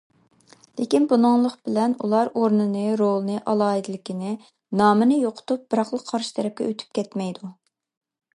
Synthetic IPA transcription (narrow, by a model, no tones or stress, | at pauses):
lekʲinbunɨŋlˠəqb̥ɪlɛnṵlˠɑɾoɾnɨnɨɾolˠɨnɨʔɑlˠɑːɦid̪ɪlɪkʲinɪ | nɑːmɨnɨjoqʰʊ̥t̪up̚b̥ɨɾɑχlˠəqʰːɑɾʃɨ̥t̪ʰɛɾɛp̚kʲɛ̰øt̪ʰy̥p̚kʲɛt̪mɛjd̪u